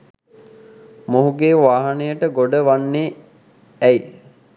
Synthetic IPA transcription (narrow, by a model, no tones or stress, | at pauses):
moɦuɡeːʋaːɦanəjəʈəɡoɖəʋanːeː | ɛi